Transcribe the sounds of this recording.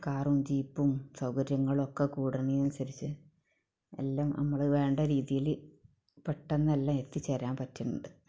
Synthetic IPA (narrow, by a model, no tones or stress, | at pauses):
kaːrumd͡ʑiːpːumsɐwkɐɾjɐŋːɐɭokːekuːɽɐninɐnsɐɾit͡ɕːɨ | ḛlːaːmnʔɐ̰mːɐɭʋe̞ːɳɖɐɾiːðijil | peʈːenːɐelːaːme̞t̪ːit͡ɕːeɾaːmpɐtːuɳːṵɳɖɨ